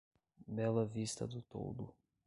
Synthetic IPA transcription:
mɛlɐvist̪ɐ̰d̪ʊt̪o̰wd̪ʊ̰

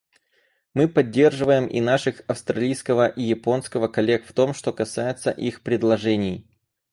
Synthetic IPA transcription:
mɨpɐdʲːe̞rʐɨvəjɪmḭnaʂɨxɐfst̪ɾɐlʲijskəvəʔijɪpo̞nskəvəkɐlʲe̞kft̪o̞mʂt̪o̞kɐsajɪt̪səʔixpɾʲɪd̪lˠɐʐɛnʲɪj

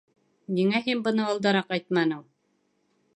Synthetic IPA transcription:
niŋæɦinbɤ̆nɤɑlˠd̪ɑɾɑqɑjt̪mɑnɤm

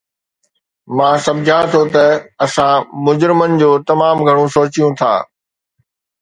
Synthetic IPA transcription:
mãːsɐbd͡ʑʱãːt̪ʰot̪ɐɐsãmʊd͡ʑɾɪmənɪ̆d͡ʑoːt̪ɐmaːmɡʱɐɽ̃ũsoːt͡ɕijũt̪ʰa̰ː

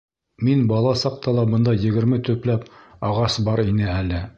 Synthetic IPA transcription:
minbɑlˠɑsɑq̚t̪ɑlˠɑbɤ̆nd̪ɑjɘ̆ɡɘ̆ɾmɘt̪ɵ̆plæpɑʁɑsbɑɾinɘælɘ

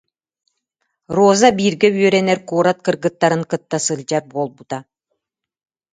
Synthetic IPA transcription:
ɾoːzabiːɾɡɛbyœɾɛnɛɾkuːɾat̪̚kɯɾɡɯt̪ːaɾɯŋkɯt̪ːasɯlʲd͡ʑaɾboːlˠbut̪a

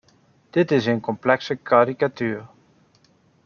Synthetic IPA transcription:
d̥ɪtɪsenkɔmplɛksəkʰaːɾikatyːr

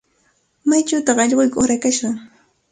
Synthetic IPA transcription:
majt͡ʃawt̪ɑχɑʎɢʊjkoɾakaʃɢɑŋ

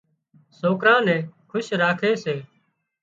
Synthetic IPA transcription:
soːkɾãːnɛ̃ːkʰʊʃɾaːkʰeːseː

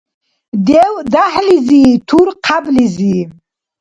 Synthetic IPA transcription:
d̪ɛwd̪aħliziːt̪ʰuɾqʰabliziː

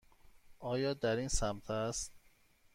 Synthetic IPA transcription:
ʔɒːjɒːd̪æɾinsæmt̪ʰæst̪

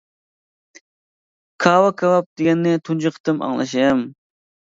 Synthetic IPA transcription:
kʰɑːwɑkʰɑwɑp̚d̪ɪɡʲɛnːɪt̪ʰund͡ʒɪqʰə̥t̪ɨmɑ̰ŋlˠɑ̰ʃijɛm

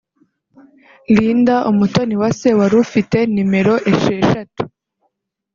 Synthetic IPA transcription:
liːndaʔumuto̞niwase̞waɾufite̞nime̞ɾo̞ʔe̞ʃe̞ːʃatu̥

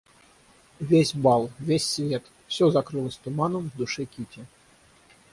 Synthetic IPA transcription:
vʲesʲbalˠvʲesʲːvʲet̪ | fsʲozakɾɨlˠəsʲt̪umanəmvd̪uʂɛkʲitʲɪ

